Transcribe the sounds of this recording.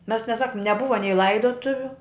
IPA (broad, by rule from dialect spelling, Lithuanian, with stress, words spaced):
mʲɛs nʲɛˈsɑːkʊm nʲɛˈbʊʋɐ nʲɛɪ ˈlˠɐɪdoːtʊʋʲʊ